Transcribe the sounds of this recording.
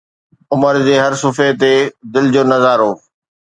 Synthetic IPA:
ʊməɾd͡ʑeːɦɐɾsʊfet̪ed̪ɪld͡ʑoːnɐzaːɾɦoː

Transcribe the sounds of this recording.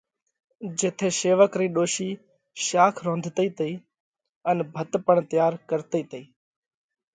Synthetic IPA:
d͡ʒeːt̪ʰeːseːʋəkɾiːɗoːʃiː | ʃaːkʰɾõːnd̪ʱt̪əiːt̪əiː | ənbʱət̪pəɳt̪jaːɾkəɾt̪əiːt̪əiː

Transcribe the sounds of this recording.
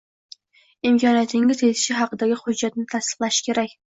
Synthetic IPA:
ɪmkʰʲɒnijat̪ʰɪŋɪzet̪ʰɪ̥ʃɪɦɑqɨd̪aɡʲɪχʊd͡ʒːat̪nɪt̪ʰast̪ɨ̥qlˠaʃɪ̥kʲʰe̞ɾakʲ

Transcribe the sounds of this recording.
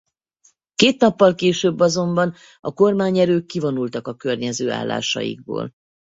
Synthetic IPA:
keːt̪nɒpːɒlkeːʃøːbːɒzo̞mbɒn | ɒko̞rmaːɲɛɾøːkːivonult̪ɒkɒkørɲɛzøːa̰ːlːa̰ːʃɒ̰jḭɡ̚bo̰ːl

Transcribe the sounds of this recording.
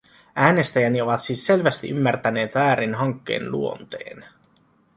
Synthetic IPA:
æːne̞st̪æjænio̞ʋɑt̪siːsːe̞lʋæst̪ḭʔymːært̪æne̞ːt̪ʋæːɾinɦɑŋkːe̞̰ːnlṵo̞nt̪ḛːn

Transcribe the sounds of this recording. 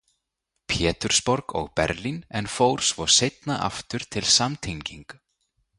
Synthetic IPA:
pʰjɛːt̪ʏɾ̥spɔɾkɔ̰ɣpɛ̰ɾlinɛnfoːwɾ̥svɔɾ̥sejt̪naʔa̰ft̪ʏɾ̥t̪ʰɪlsamt̪ʰeɲciŋk

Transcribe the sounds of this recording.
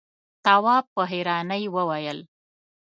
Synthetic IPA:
t̪awɑpəɦeɾɑnəjwəwajəl

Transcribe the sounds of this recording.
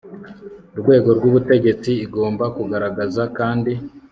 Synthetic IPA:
uɾɡwe̞ːɡo̞ɾɡwuβute̞ɟe̞t͡siːɡo̞ːmbakuɡaɾaɡazakaːndi

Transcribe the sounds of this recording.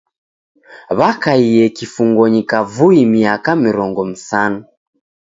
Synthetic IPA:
βakaijɛkifuŋɡɔɲikavuimiakamiɾɔŋɡɔm̩sanu

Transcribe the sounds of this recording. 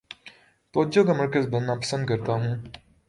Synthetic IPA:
t̪oːd͡ʒokamɐɾkəzbɐ̃nːapɐ̥sə̃nd̪̚kɐɾt̪aɦũː

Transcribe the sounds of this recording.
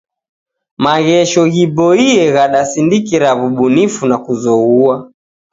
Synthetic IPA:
maɣɛʃɔɣibɔiɛɣaɗasindikiɾaβuɓunifunakuzɔɣua

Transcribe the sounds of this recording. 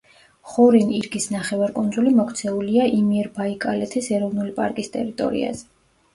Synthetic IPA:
χɔɾiniɾɡisnaχɛvaɾkʼund̪zulimɔkʰt̪sʰɛuliaʔimiɛɾbaikʼalɛt̪ʰɛsɛɾɔvnulipʼa̰ɾkʼist̪ʼɛɾit̪ʼɔ̰ɾḭa̰z̥ɛ

